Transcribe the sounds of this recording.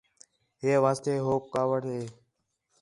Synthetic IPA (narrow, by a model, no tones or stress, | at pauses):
ɦeːʋaːst̪eːɦoːkkaːʋəʈɦeː